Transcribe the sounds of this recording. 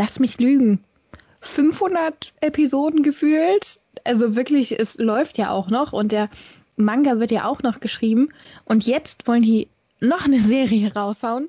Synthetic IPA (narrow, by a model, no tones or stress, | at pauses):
lasmɪçlyːɡŋ̩ | fʏnfhʊndɐtʔepizoːdn̩ɡəfyːlt | ʔalzovɪɐklɪçɛslɔʏftjaːʔa̰ʊxnɔχʊnt̚d̥eːɐ | maŋɡavɪɐtja̰ːʔaʊxnɔχɡ̥əʃʁ̥iːbm̩ʔʊntjɛt͡stv̥ɔləndiː | nɔχnəzeːʁiəʁaʊshaʊən